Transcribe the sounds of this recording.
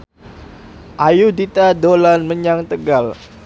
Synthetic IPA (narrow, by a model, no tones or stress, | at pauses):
ʔajudit̪adolanməɲaŋt̪əɡal